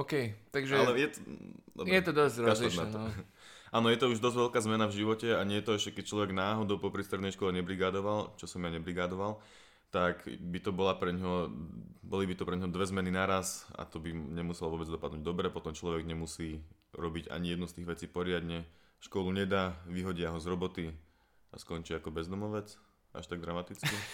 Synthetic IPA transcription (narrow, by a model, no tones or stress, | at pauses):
ɔkɛjt̪aɡʒɛalɛjɛt̪ɔɔ̰jɛt̪ɔd̪ɔzɾɔaliɔnaɔ | ʔaːnɔjɛt̪ɔuʒd̪ɔzɟʋɛlkaːzmɛnavʒiʋɔcɛaɲɛjɛt̪ɔɛʃcɛkɛc̚t͡ʃlɔʋɛɡnaːɦɔd̪ɔʊpɔpɾist̪ɾɛd̪nɛjʃkɔlɛɲɛbɾiɡaːd̪ɔʋalt͡ʃɔsɔmjaɲɛbɾiɡaːd̪ɔʋal | t̪akbit̪ɔbɔlapɾɛɲɦɔ | bɔlibit̪ɔpɾɛɲɦɔd̪ʋɛzmɛninaɾasa̰t̪ɔbiɲɛmusɛlʋʊɔbɛd͡zd̪ɔpad̪nuːɟ̚d̪ɔbɾɛpɔt̪ɔmt͡ʃlɔʋɛɡɲɛmusiː | ɾɔbiɟa̰ɲijɛd̪nust̪iːɣʋɛt͡siːpɔɾɪad̪ɲɛ | ʃkɔluɲɛd̪aːʋiɦɔɟɪaɦɔzɾɔbɔt̪i | a̰skɔnt͡ʃiakɔbɛzd̪ɔmɔʋɛt͡s | ʔa̰ʃt̪aɡ̚d̪ɾamat̪it͡skki